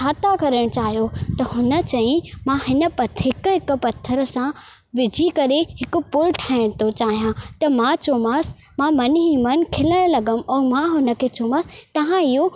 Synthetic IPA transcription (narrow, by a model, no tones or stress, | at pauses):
aːt̪akɐɾəɽ̃t͡ɕaːɦijot̪ɐɦʊnə̆t͡ɕɐ̃ĩmãɦɪnə̆pɐt̪ɦɪkɦɪkpɐt̪ʰːəɾəsã | ʋɪd͡ʑʱikɐɾehɪkʊ̆pʊlʈʰaːɪɽ̃t̪ot͡ɕaːɦijãt̪ɐmãt͡ɕoːmaːs | mãmɐnɦimɐn̆kʰɪləɽ̃lɐɡəmɛ̃ːmãɦʊnə̆kʰet͡ɕoːmaːst̪ɐʋ̤ãɪɦo